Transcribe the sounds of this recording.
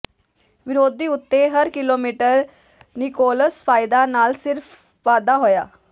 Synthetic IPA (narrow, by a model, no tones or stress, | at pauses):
ʋɪɾoːd̪iːʊt̪ːeɦəɾkɪloːmiːʈəɾ | nɪkoːləspʰaːɪd̪aːnaːlsɪɾf | ʋaːd̪aːɦoːja̰ː